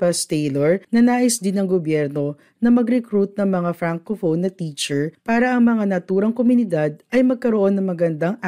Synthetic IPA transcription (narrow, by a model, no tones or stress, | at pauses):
pɐst̪ɛloɹnɐnaːʔɪsd̪ɪnɐŋɡobjɛɾno̞ | nɐmɐɡɾɛkɾut̪̚nɐŋmɐŋafɾaŋkofownːɐt̪it͡ʃɛɹpaːɾɐʔɐŋmɐŋanɐt̪uːɾɐŋkomʊnɪd̪ad̪̚ʔɐjmɐɡ̚kɐɾoʔo̞nːɐŋmɐɡɐnd̪aŋ